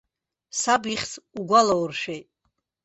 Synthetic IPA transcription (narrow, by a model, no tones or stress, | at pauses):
sabiχʲt͡sʰʼuɡʷalowrʃᶣejtʼ